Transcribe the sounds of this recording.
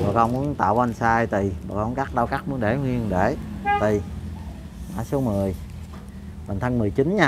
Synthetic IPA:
ɓə̰ː˨˩kɔ˧ŋ͡mmu˨˧˦ənt̪a̰ː˧˨wa˧nsaː˧jt̪i˨˩ɓə̰ː˧˨˩kɔ˧˦nkaː˦˥k̚ɗa˧wkaː˦˥k̚mu˧˦ənɗe˧˩hwi˧əŋɗe˧˩t̪i˨˩ | ma̰ː˧˩so˨˦mɨ˨˩əj | ɓə˨˩n̟t̪ʰa˧ŋmɨ˨˩əjt͡ɕi˨˦nɲaː˧

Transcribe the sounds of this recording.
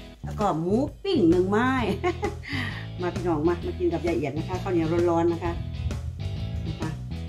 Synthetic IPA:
lɛː˧˩kɔː˧˩muː˦˥pi˧˩ŋnɯ˧ŋmaː˧˥˩j | maː˧p̪ʰiː˧˩nɔː˨˩˦ŋma˧maː˧˩ki˧˦nka˨˩p̚jaː˧˩ʔi˨˩ə˩t̚na˧˥kʰa˧˥˩kʰa˧˩wni˧˦ɐ˧ɾo˧˥n̚lɔː˧˥nːa˦˧˥kʰa˦˥ | na˧˩kʰa˧˩

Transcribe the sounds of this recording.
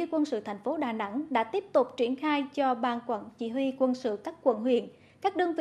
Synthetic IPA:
ɨ˧kwə˧nsɨ̰˧˨t̪ʰɛ˨˩jŋ̟fo˨˦ɗaː˨˩na̰˧˥ŋɗa̰ː˧˥t̪i˦˥əp̚t̪ʊ˨˩k͡p̚t͡ɕwi˧˩ənxaː˧jt͡ɕɔ˧ɓaː˨˩nkwaː˧˩nt͡ɕi˧˩˥ɦwi˧kwə˧nsɨ̰˧˨kaː˦˥kːwə̰˧˩nɦwḭ˧˩˨ən | kaː˦˥k̚ɗɨ˧əŋvḭ˧˨

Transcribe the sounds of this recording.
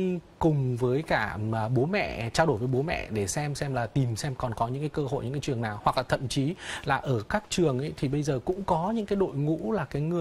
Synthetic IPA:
kʊ˨˩ŋ͡mvəː˨˦jkaː˧˩˨ɓo˨˦mɛ̰˧˨t͡ɕaː˧wɗo˧˩jvəː˨˦jo˨˦mɛ̰˧˨ɗe˧˩sɛ˧msɛ˧mlaː˨˩t̪i˨˩msɛ˧mkɔ˨˩nkɔ˨˦ɲɨ̰˧˥ŋkaː˨˦jkəː˧ho̰˧˨ɲɨ̰˧˥ŋkaː˨˦t͡ɕɨ˨˩əŋnaː˨˩whwa˨˩k̚laː˨˩t̪ʰə̰˧˨mt͡ɕi˨˦laː˨˩ʔəː˧˩kaː˦˥k̚t͡ɕɨ˨˩əŋʔə̰˨˦jt̪ʰi˨˩ɓə˧jzəː˨˩kʊ̰˧˥ŋ͡mkɔ˨˦ɲɨ̰˧˥ŋkaː˨˦jɗo̰˧˨jŋṵ˧˥laː˨˩kaː˨˦jŋɨ˨˩ə

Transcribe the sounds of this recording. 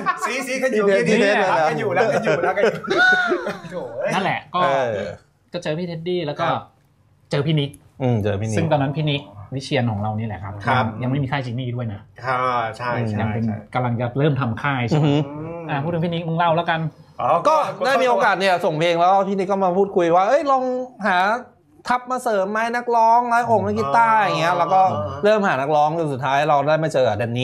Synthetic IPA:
i˦˥a˧i˧i˥˧e˦˥a˧a˦˨juː˨˩llk | na˥˩nlɛ˨˩ʔkɔː˥˧˩ | kɔː˥˩t͡ɕɤː˧pʰiː˥˩e˦˥t̪̚iː˥˩lɛː˦˥wkɔː˧˥˩ | t͡ɕɤː˧pʰiː˥˩ni˦˥k̚ | ʔɯ˨˩t͡ɕɤː˧pʰiː˥˩nsɯ˥˩ŋt̪ɔː˧na˦˥npʰiː˥˩ni˦˥k̚wi˦˥t͡ɕʰi˧ənkʰɔː˩˦ŋɾa˧wniː˦˥˩lɛ̰˨˩kʰa˦˥p̚ʰa˧ŋja˧ŋma˥˩jmiː˧kʰaː˥˩t͡ɕʰiː˧˥niː˥˩du˥˩əjna˦˥kʰa˥˧˩ | ja˨˥ŋ˩pe˧n˩ka˧mla˧ŋt͡ɕa˨˧ɾɤː˥˩mt̪ʰa˧mkʰaː˥˩jt͡ɕʔaː˨˩pʰu˥˩ɯ˩˦pʰi˥˩ni˦˥k̚mɯ˥˩ŋla˥˩wlɛ˦˥wka˧nkɔː˥˩daː˥˩jmiː˧ʔoː˧kaː˨˩t̪̚ni˥˩ɐso˨˩ŋpʰeː˧ŋlɛː˦˥kɔ˥˩pʰi˥˩ni˦˥k̚ːkɔː˥˩maː˧pʰuː˥˩t̪̚kʰu˧jwaː˥˩ʔɤ˦˥jlɔ˧ŋɦaː˩˦ | t̪ʰa˦˥p̚maː˧sɤː˩˦mːa˦˥jna˦˥k̚lɔː˦˥ŋlaː˦˥jʔo˨˩k̚maː˥˩k̬iː˧˥t̪aː˥˩ja˨˩ŋːi˦˥ɐ˧lɛː˦˥wkɔː˥˩ɾɤː˥˩mhaː˩˦na˦˥k̚lɔː˦˥ŋt͡ɕo˧nsu˨˩t̪ʰːaː˦˥jɾa˧wdaː˥˩jma˥˩jt͡ɕɤː˧a˨˩deː˧niː˦˥

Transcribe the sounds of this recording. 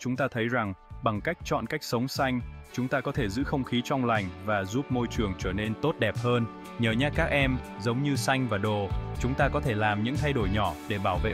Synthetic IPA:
t͡ɕʊ˨˦ŋ͡mt̪aː˧t̪ʰə˨˦jza˨˩ŋɓa˨˩ŋka˦˥jk̚t͡ɕɔ̰˧˨nka˦˥jk̚sə˨˦wŋ͡msa˧jŋ̟t͡ɕʊ˨˦ŋ͡mt̪aː˧kɔ˨˦t̪ʰe˧˩zɨ̰˧˥xə˧wŋ͡mxi˨˦t͡ɕɔ˧wŋ͡mla˨˩jŋ̟vaː˨˩zu˦˥p̚mo˧jt͡ɕɨ˨˩əŋt͡ɕəː˧˩ne˧nt̪o˦˥t̚ɗɛ˨˩p̚həː˧n | ɲəː˧˩ɲa˦˥t̚kaː˦˥k̚ʔɛ˧mzə˨˦wŋ͡mɲɨ˧sa˧jŋ̟vaː˨˩ɗo˨˩t͡ɕʊ˨˦ŋ͡mt̪aː˧kɔ˨˦t̪ʰe˧˩laː˨˩mɲɨ̰˧˥ŋt̪ʰa˧jɗo˧˩jɲɔ˧˩ɗe˧˩ɓaː˧˩wvḛ˧˨

